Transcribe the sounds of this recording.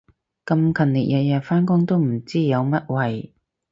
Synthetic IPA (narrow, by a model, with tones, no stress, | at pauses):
kɐ˧mkʰɐ˨˩nlḭ˨˩k̚jɐ˨˧jɐ˨˧faː˥nkʊ˥ŋt̪o˥wm̩˨˩t͡siː˥jɐ˨˧wmɐ˥t̚wɐ˨j